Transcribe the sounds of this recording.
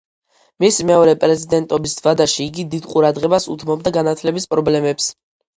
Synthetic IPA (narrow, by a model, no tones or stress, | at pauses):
mismɛɔɾɛpʼɾɛzid̪ɛnt̪ʼɔbisvad̪aʃiːɡid̪id̪qʼuɾad̪ʁɛbasut̪ʰmɔb̚d̪aɡanat̪ʰlɛbispʼɾɔblɛmɛps